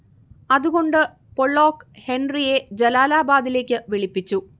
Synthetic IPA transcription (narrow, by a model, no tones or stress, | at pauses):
ɐðuɣo̞ɳɖɨ | poɭːo̞ːkhe̞nrije̞d͡ʑelaːlaːbaːd̪ile̞ːkʲːɨʋiɭipːit͡ɕːu